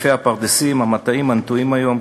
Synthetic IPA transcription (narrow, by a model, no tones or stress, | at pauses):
fehapaʁd̪esimamat̪aimant̪uimajom